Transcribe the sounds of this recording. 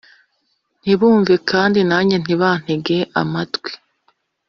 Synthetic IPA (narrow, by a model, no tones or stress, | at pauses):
n̥iβuːɱvekaːndinaɲen̥iβaːn̥eɡe̞ʔa̰matɡwi̥